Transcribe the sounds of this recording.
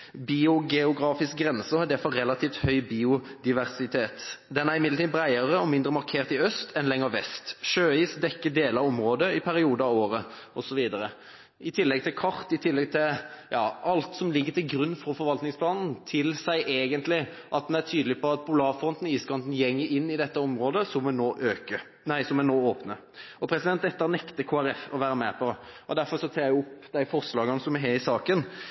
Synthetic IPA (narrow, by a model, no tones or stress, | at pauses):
biʊɡɛʊɡɾɑːfɪsk̚ɡɾɛnsəɑd̪ɛfɔɛlɑt̪ʰiːft̪hœʏbiːʊd̪ɪʋæʁsɪt̪ʰeːt̪d̪ɛnæɾɪmɪd̪lət̪iːd̪bɾæɪəɾəɔmɪnd̪ɾəmɑɾkʰeːɾt̪ɪœst̪ʰɛnlɛŋːəɾʋɛst̪ʃøːiːsd̪ɛkːəd̪eːləɾɔmɾoːd̪əɪpʰæɾɪuːd̪əɑʋoːɾəʔɔsɔʋiːd̪əɾə | ɪt̪ʰɪlːɛɡ̚t̪ʰɪlkʰɑɾt̪ɪt̪ʰɪlːɛɡ̚t̪ʰɪjɑːɑlt̪sɔmlɪɡːət̪ʰɪlɡɾʉnːfɔɾfɔɾʋɑlt̪nɪŋspʰlɑːnn̩t̪ʰɪlsæɪʔeːɡənt̪lɪ | ʔɑt̪̚d̪ɛnætʰyːd̪lɪpʰɔɑt̪̚bʊlɑːfɔnt̪n̩iːskɑnd̪n̩jɛŋːəɾɪnːɪd̪ɛt̪ːəɔmɾoːd̪əsɔmʋɛnoːʔøːkə | næɪsɔmɛnoːoːpnə | ɔpʰɾɛsɪd̪ɛnt̪ɛt̪ːəɾnɛkt̪əkʰoːæɾɛfɔʋæːɾəmɛpʰɔʔɔd̪æɾfɔɾʂɔsʰɑːjæɪjʊʊpːd̪æɪfɔʁslɑːɡɑnəsɔmɛɦeɪsɑːkən